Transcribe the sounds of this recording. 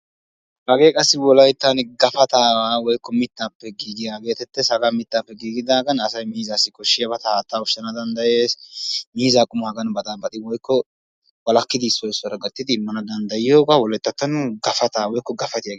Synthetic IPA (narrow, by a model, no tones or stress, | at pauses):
hɐɡe̞ːkʼɐsːɪwɔlɐjt̪ːɐnɪɡɐfɐt̪aːwaːwɔjkːɔmɪt̪ːaːpːɛɡiːɡɪj̪aːɡe̞ːt̪ɛt̪ːɛsɐɡamɪt̪ːaːpːɛɡiːɡɪd̪aːɡɐnɐsɐjmiːzasːɪkɔʃːɪjɐbɐt̪ɐhaːt̪ːaːʊʃɐnɐd̪ɐnd̪ɐjeːsmiːzakʼʊmʊhɐɡɐnbɐt̪ʼɐnbɐt̪ʼɪwɔjkːɔ | wɐlɐkːɪd̪ɪːsːɔɪsɔɾɐɡɐt̪ʼːɪd̪ɪːmːɐnɐd̪ɐnd̪ɐjɪjo̞ːɡawɔlɐjt̪ːɐt̪ːɐnɡɐfɐt̪aːwɔjkːɔɡɐfɐt̪ɪjɐɡ